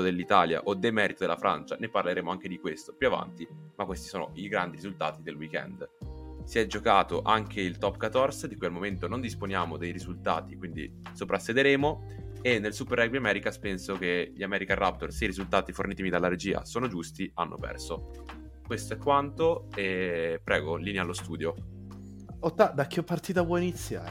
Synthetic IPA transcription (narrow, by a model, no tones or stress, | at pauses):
od̪elːit̪aːlja̰ʔod̪ːemɛːɾit̪od̪elːafɾa̰nt͡ʃaneparleɾeːmoaŋk̟ed̪ikwest̪opjuava̰nt̪imakːwest̪i̥soːno̰ʔiɡɾand̪iɾizult̪aːt̪id̪elwikɛ̰nd̪siɛd͡ʒokaːt̪oʔaŋkʰeilt̪ɔpːkat̪ːɔrsd̪ikualmoment̪onond̪isponjaːmod̪ejɾizult̪a̰ːt̪ikwind̪ḭ | sopɾasːed̪eɾeːmo | enːelsupeɾɛɡbiamɛːɾikaspensok̟eʎiamɛːɾikarːʔap̚t̪orseiɾizult̪aːt̪iforniːt̪imid̪alːaɾed͡ʒiːa̰soːnod͡ʒust̪ianːʔo̰pɛ̰rso | kwest̪oɛkːwant̪oepːɾɛːɡoliːnealːost̪uːd̪jo | ot̪ːad̪akːeɔpːart̪iːt̪apwɔinit̪sːja̰ː